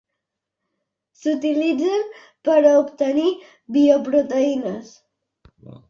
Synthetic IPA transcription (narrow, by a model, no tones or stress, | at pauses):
sut̪ilid͡zən | pəɾəupt̪əni | βiopɾut̪əinəs